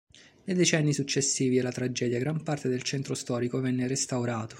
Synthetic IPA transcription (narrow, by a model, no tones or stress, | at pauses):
nejd̪et͡ʃɛnːisut͡ʃːesːiːvielat̪ɾad͡ʒɛːd̪jaɡɾampart̪ed̪elt͡ʃɛnt̪ɾost̪ɔːɾikovɛnːerest̪awɾaːt̪o̥